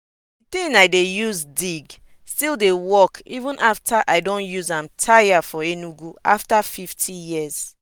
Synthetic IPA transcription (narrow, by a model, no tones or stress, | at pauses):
ditĩnajdejuzdiɡ | stildewɔkʰivũnʔaftʰaʔaɪdõnjuzãmtʰajafɔenuɡua̰ftafiftʰijiz̥